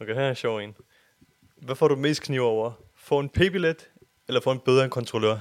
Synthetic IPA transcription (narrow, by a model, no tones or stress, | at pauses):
okʰehæɕɒʊ̰ḛːn | ʋæfɒ̰ːdɾume̝̰ːsd̥kʰniʊ̰ɒʊ̰ɐ | fɔ̰̽ːe̝npʰe̝ːb̥iled̥ | elɐfɒ̰ːe̝nb̥eð̞ˠɐkʰɒ̽nt͡sʰʁolø̰ɐ̰